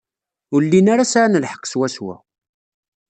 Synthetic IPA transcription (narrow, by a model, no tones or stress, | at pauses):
ʊɾlːinaɾasʕanəlħə̥qːswæswæ̰